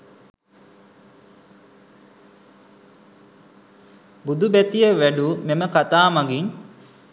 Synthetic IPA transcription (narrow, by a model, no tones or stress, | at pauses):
bud̪ubæt̪ijeʋæɖumeməkat̪aːmaɡin